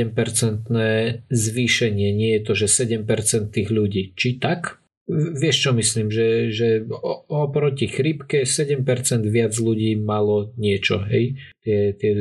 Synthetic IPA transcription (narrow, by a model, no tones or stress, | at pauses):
ɛmpɛɾt͡sɛnt̪nɛːzʋiːʃɛɲɪɛɲɪɛjɛt̪ɔʒɛsɛɟɛmpɛɾt͡sɛnt̪ːiːɣʎuɟiːt͡ʃit̪ak | ʋɪɛʃt͡ʃɔmisliːmʒɛʒɛɔɔpɾɔcixɾipkɛsɛɟɛmpɛɾt͡sɛnd̪ʋɪad͡zʎuɟiːmalɔɲɪɛt͡ʃɔ̰ɦɛ̰jt̪ɪɛt̪ɪɛ